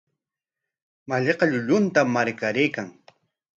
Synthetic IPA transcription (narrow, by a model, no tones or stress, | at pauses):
maʎeqɑʎʊʎʊnt̪amːaɾkaɾejkaŋ